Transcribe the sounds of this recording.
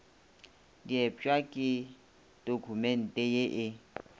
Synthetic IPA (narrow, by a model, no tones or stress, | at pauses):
diɛpt͡ʃʼwakʼɪ | d̥ʼokʰumɛn̩tʼɛjeʔɪ